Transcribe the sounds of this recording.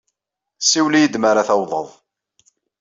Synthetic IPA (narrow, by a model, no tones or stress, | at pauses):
siwlijəd̪maɾaθæwðˤə̰ðˤ